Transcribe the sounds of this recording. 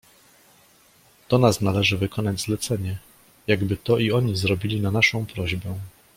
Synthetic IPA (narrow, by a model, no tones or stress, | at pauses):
d̪̥ɔnasnalɛʐɘvɘkʰɔnad͡ʑzlɛt̪sɛɲɛ | jaɡbɘt̪ɔʔiɔɲizɾɔbʲilʲinanaʂɔ̃w̃pɾɔʑbɛ